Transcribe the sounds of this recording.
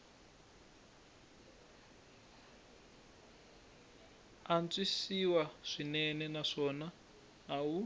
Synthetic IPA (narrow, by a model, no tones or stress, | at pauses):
ant͡swisiwaʂinɛnɛnaʂɔna | ɦau